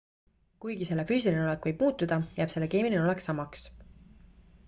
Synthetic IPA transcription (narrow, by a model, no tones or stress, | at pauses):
kujɡise̞lːe̞fyːsilineo̞le̞kːˑvɤjb̥muːt̪ːˑud̪̥ɑjæːb̥se̞lːe̞keːmilineo̞le̞ksɑmːɑks